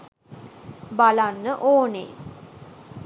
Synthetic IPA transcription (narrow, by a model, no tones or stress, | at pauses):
balanːəʔoːnḛ